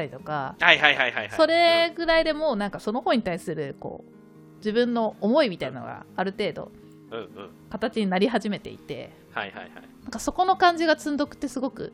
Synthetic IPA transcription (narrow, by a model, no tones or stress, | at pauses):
t̪ːaɾʲit̪o̞kahaihaihaihaisaso̞ɾe̞ɡɯ̟ɾaid̪e̞mo̞ːnãŋkaso̞no̞ho̞ːɲ̟it̪aisɨɾɯ̟ko̞̰ː | d͡ʑibɯ̟̃nːo̞ːmo̞imʲit̪ainano̰ɡa̰aɾɯ̟t̪e̞ːd̪o̞̰ | ɯ̟̃ɯ̃ː | kat̪at͡ɕiɲ̟inaɾʲiɦaʑime̞t̪e̞̰ḭt̪e̞̰ | ha̰iha̰jha̰jnãŋkaso̞ko̞no̞kãɲ̟d͡ʑiɡat͡sɨ̃nd̪okɯ̟̥t̪ːe̞sɨɡo̞kɯ̟̰